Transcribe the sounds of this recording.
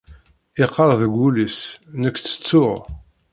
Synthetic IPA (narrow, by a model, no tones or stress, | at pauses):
ɪqːɑɾˤðəɡʷulisnəkʷːθə̥t͡sːʊʁ